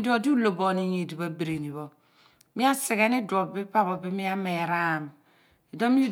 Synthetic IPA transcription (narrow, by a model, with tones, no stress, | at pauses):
di˦o˨di˦u˦lo˨bɔ˨ni˦ɲe˨di˨βa˦bi˨ɾe˨ni˨βɔ˦ | mi˦a˦si˨ɣɛ˦ni˦dɾɔ˨bi˦pa˦βɔ˨bi˦mi˦a˦me˨ɾa˦˨m | e˨do˦mi˦